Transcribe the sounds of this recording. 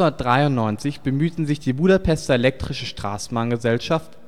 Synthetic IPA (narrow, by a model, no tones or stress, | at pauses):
ʊnɐtd̥ʁaɪʊnnɔʏnt͡sɪçb̥əmyːtn̩zɪçd̥iːbuːɾapʰɛstɐelɛk̚tʁ̥ɪʃəʃtʁ̥a̰ːsn̩maŋɡəzɛlʃaft